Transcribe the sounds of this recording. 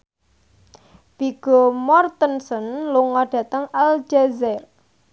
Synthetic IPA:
b̥iɡ̥ɔmɔrt̪ənsɔnluŋɔɖ̥ä̤t̪əŋald͡ʒazɛr

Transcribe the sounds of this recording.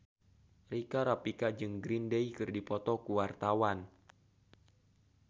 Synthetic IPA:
rikaɾapikad͡ʒɨŋɡɾindeikɨrdipɔt̪ɔkuwart̪awan

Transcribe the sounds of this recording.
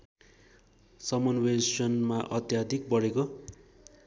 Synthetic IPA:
sʌmʌnwesʌnmaʔʌt̪jad̪ʱik̚bʌɽeko

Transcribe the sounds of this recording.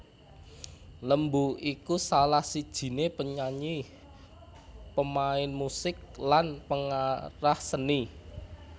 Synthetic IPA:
ləmbuikusalahsid̥ʒ̥i̤nepəɲaɲi | pəmaɪnmusɪk̚lanpəŋaɾahsəni

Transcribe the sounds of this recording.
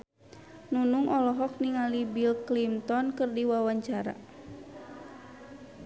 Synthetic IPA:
nunuŋʔɔlɔɦɔk̚niŋalibilklimt̪ɔnkɨrdiwawaɲt͡ʃaɾa̰

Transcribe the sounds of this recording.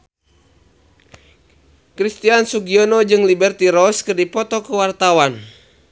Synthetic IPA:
kɾist̪iansuɡiɔnɔd͡ʒɨŋlibɛrt̪iɾɔskərdipɔt̪ɔkəwart̪awan

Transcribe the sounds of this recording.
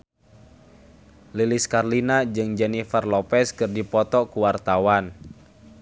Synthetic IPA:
liliskarlinad͡ʒɨŋd͡ʒɛnifarlɔpɛskɨrdipɔt̪ɔkuwart̪awan

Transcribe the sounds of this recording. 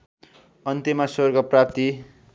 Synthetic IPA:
ʌnt̪imʌsorɡʌprap̚t̪i

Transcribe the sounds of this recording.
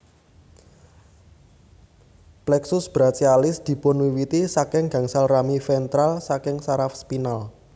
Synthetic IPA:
plɛksʊsb̥ɾat͡ʃialɪsd̪̥i̤bɔ̤nwiwit̪isakɪŋɡä̤ŋsalramifɛnt̪ɾalsakɪŋsaɾafspinal

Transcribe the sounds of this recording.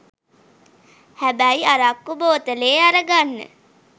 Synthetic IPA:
hæbæjaɾakːuboːt̪əleːaɾəɡanːə̰

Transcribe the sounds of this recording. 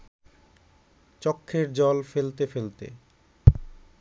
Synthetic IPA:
t͡ɕɔkʰːeɾd͡ʑɔlfelt̪efelt̪ḛ

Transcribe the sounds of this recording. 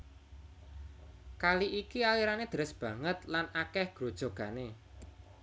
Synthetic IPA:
kaliʔikialiɾaned̪̥ə̤ɾɪsb̥ä̤ŋət̪lanakɛhɡ̥ɾo̤d̥ʒ̥o̤ɡ̥a̤ne

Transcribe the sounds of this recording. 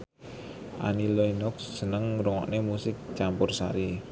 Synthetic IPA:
ʔa̰niloinɔksːənəŋɾuŋɔ̰ʔnemusɪk̚t͡ʃampʊrsa̰ɾi

